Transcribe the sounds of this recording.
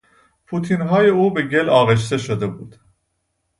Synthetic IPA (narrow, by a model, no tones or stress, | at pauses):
pʰuːt̪ʰiːnɦɒːje̞uːbe̞ɟe̞lɒːɣe̞ʃ̬t̪e̞ʃod̪e̞buːd̪̥